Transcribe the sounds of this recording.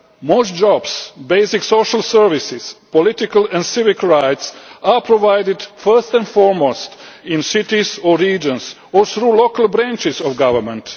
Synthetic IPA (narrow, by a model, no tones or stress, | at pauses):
moʊstd͡ʒɔbsbeɪsɪksoʃəlˠsəɹʋɪsɪspɔlɪt̪ɪkəlɛ̃nsɪvɪkɹaɪtsapʰɾɔʋajdɪdfɜ˞st̪ɛ̃nfɔɹmostɪ̃nsɪtizɔːiːd͡ʒə̃ns | ɔɹθɾuːlokəlbɾæ̃nt͡ʃɪzɔvɡaʋəmɛ̃nt